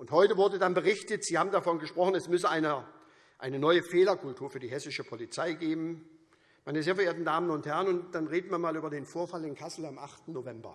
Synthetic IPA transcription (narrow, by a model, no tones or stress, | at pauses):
ʔʊnthɔʏtəvʊɐdədanbəʁ̞ɪçtətz̥iːhaːbm̩dafɔnɡəʃpʁ̥ɔχnɛsmʏsəaɪnə | ʔaɪnənɔʏəfeːlɐkʰʊltʰuːɐfyːɐdiːɦɛsɪʃəpʰɔlit͡saɪɡeːbm̩ | maɪnəzeːɐfɛɐeːɐtn̩daːmənʊnthɛʁənʊnt̚d̥anʁeːdn̩maɐnmaːlyːbɐdeːnfoːɐfalɪnkʰasl̩amʔaχtn̩nːovɛmbɐ̰